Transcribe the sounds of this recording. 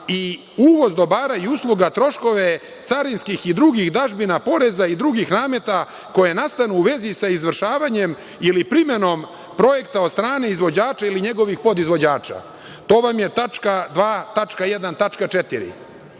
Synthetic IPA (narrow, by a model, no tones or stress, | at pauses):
i | uːʋo̞zd̪o̞baːɾajiuslˠuɡat̪ɾo̞ʃko̞ʋe̞ | t̪saɾinskixid̪ɾuɡixd̪aʒbinapo̞ɾe̞zaid̪ɾuɡixnaːme̞t̪a | ko̞je̞nast̪anuːʋe̞zisaizʋr̩ʃaːʋaɲe̞m | ilipɾime̞no̞m | pɾo̞je̞kt̪aod̪st̪ɾaːneizʋo̞d͡ʑaːt͡ʃailiɲe̞ɡo̞ʋixpo̞d̪izʋo̞d͡ʑaːt͡ʃa̰ | t̪o̞ːʋamje̞t̪at͡ʂkad̪ʋaːt̪at͡ʂkajed̪ant̪at͡ʃkat͡ʃet̪iɾḭ